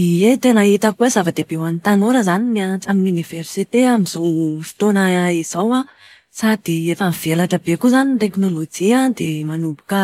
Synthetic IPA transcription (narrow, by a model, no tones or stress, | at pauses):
iet̪enait̪akuezafad̪eb̥ewanit̪anoɾəzanimiat͡saminuniveɾsit̪eamiz̥owfi̥t̪onaaiz̥awa | sad̪̥iefamiv̥elaʈ͡ʂəbekuzanit̪eknolod͡ʒiad̪emanubukə